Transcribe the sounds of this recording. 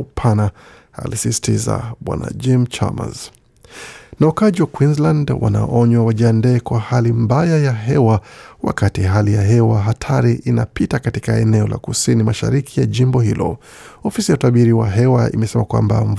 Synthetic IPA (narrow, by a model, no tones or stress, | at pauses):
pʰana | a̰lisisi̥tiza̰ɓwa̰na̰d͡ʒimt͡ʃa̰ma̰z | naukaʄiwakwinzlandwa̰na̰ʔɔɲwawaʄiandɛːkwahalimbajajaɦɛwawa̰katiɦalijaɦɛwaɦatʰaɾiʔinapitakatikaɛnɛɔlʔa̰kusinimaʃa̰ɾikʰijaʄimbɔhilɔ̰ | ɔfisijautaɓiɾiwaɦɛwaḭmɛsɛmakwa̰mba̰ɱ